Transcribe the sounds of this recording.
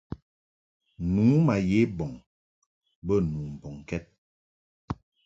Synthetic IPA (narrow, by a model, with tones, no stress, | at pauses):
nuː˨˦ma˨je˨˦bɔ˨ŋ | bə˦˨nu˨m̩˨bɔ˨ŋkɛ˦t̚